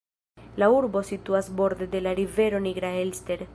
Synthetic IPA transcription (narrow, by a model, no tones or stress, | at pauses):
lauɾbo̞sit̪uasbo̞ɾd̪ed̪e̞laɾive̞ɾo̞niɡɾaelste̞ɾ